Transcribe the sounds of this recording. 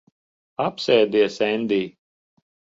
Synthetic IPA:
apsɛːd̪iɛsɛnʲd̪ʲiː

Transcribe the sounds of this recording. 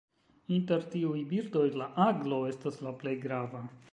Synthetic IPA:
inteɾtiujbiɾd̪o̞jlaʔaɡlo̞e̞staslaple̞jɡɾava

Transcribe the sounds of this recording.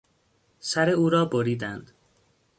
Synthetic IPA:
sæɾe̞uːɾɒːboɾiːd̪ænd̪̥

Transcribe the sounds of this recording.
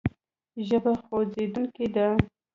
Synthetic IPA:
ʒəbaxozed̪uŋked̪a

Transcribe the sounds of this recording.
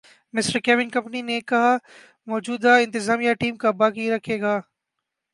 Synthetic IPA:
mɪsʈəɾkɛːʋɪnkɐ̃mpninekɐɦa | mɔːd͡ʒuːd̪aɪ̃nt̪ɪzaːmijaʈiːmkabaːkiɾɐkʰeːɡaː

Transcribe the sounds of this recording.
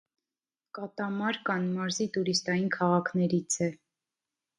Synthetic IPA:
kɑt̪ɑmɑɾkɑnmɑɾzit̪uɾist̪ɑjinkʰɑʁɑkʰnɛɾit͡sʰɛ

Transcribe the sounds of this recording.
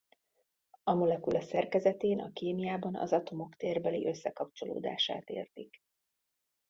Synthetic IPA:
ɒmolɛkulʔɛsɛrkɛzɛt̪eːnʔɒ̰keːmijaːbɒnɒ̰zɒt̪o̞mo̞kt̪eːrbɛlḭʔø̞sːɛkɒp̚t͡ʃo̞lo̰ːd̪a̰ːʃa̰ːt̪ḛːrt̪ik

